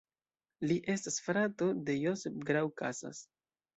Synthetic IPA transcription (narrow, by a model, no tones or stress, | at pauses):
liʔe̞stasfɾato̞de̞josefɡɾawkasa̰s